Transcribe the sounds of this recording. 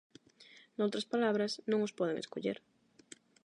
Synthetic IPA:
nowt̪ɾɐspalaβɾɐsnõŋospɔð̞eŋḛskoʎḛɾ

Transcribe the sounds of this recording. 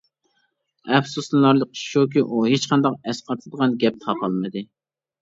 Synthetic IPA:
ɛfsuslɨlˠɑɾlˠək̚ʃuk̬ʲiʔuɦet͡ʃqʰɑnd̪ɑqɛsqʰɑt̪ʰɨɨd̪əʁɑnɡʲɛp̚t̪ʰɑqʰɑlˠmɨd̪ɨ

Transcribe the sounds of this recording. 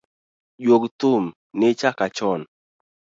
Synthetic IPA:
d͡ʒwoktʊm | nɪt͡ʃakat͡ʃɔn

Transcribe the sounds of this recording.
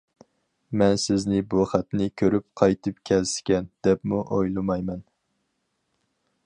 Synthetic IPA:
mɛnsɪznɪbuχæt̪nɪkʲʰøɾyp̚qʰɑjt̪ʰɨpkʲʰɛlsɪ̥kʲɛnd̪̥ɛpmuʔojlˠɨmɑjmɛn

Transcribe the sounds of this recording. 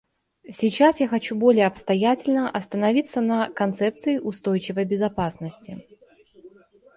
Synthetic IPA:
sʲit͡ɕasjaxɐt͡ɕubo̞lʲɪjəɐpst̪ɐjatʲɪlʲnəʔɐst̪ənɐvʲit̪sːənəkɐnt̪sɛp̚t̪sɨɪʔʊst̪o̞jt͡ɕɪvəjbʲɪzɐpasnəsʲtʲɪ

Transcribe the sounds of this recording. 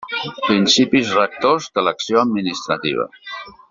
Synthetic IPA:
pɾinsipizrək̚t̪ozðələksioəd̪̚minist̪ɾət̪ḭβ̞ə̰

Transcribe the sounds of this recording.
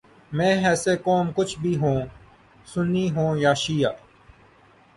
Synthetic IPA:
mɛ̃ːɦɛːseːkoːmkʊt͡ʃʰbʱiːɦõː | sʊniːɦõːjaːʃiːjaː

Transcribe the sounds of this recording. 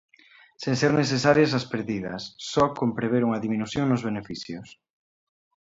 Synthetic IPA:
senseɾneθ̬esaɾjɐs̬ɐspeɾðiðɐ̰sːɔkompɾeβeɾuŋɐðiminuθjoŋnʊzβ̞enefiθjʊs

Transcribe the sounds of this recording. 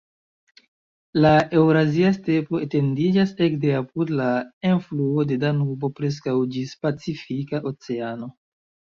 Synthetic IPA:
lae̞wɾaziaste̞po̞ete̞ndid͡ʒase̞kde̞apudlaenfluo̞de̞danubo̞pɾe̞s̬kawd͡ʒispat͡sifikaʔo̞t͡se̞ano̞

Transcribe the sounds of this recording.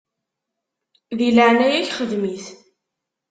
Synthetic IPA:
ðiləʕnæjæçχəðmiθ

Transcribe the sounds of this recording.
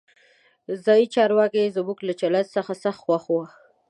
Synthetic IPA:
zɑjit͡ʃɑɾwɑkezəmuklat͡ʃalasəxasaxt̪xwaxwa

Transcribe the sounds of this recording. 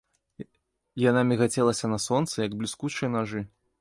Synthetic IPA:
janamʲɛɣat͡sʲɛlˠɐsʲɐnɐsɔnt̪sɨjɐɡblʲiskut͡ʂɨjɐnaʐɨ

